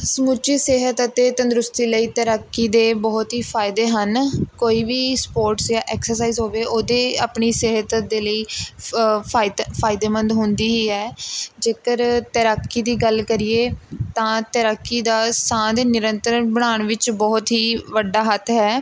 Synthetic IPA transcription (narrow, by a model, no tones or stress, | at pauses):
səmut͡ʃiːseːɦət̪ət̪eːt̪ə̃nd̪ɾʊst̪iːləiːt̪əɾaːkːiːd̪eːbɔːt̪ɦiːpʰaːɪd̪eːɦənkoːiːʋiːspoːɾʈsjãːʔɛːksəɾs̬aːiːzɦoːʋeːʔoːd̪eːaːpɳiːseːɦət̪d̪eːləiː | aɪpʰaːɪd̪eːmə̃nd̪ɦʊnd̪iːɦiːɦɛːd͡ʒeːkəɾt̪əɾaːkːiːd̪iːɡəlkəɾiːeːt̪ãːt̪əɾaːkːiːd̪aːsãːd̪eːnɪɾənt̪əɾəɳbəɽ̃aːɳʋɪt͡ʃbɔːt̪ɦiːʋəɖaːɦət̪ʰɦɛː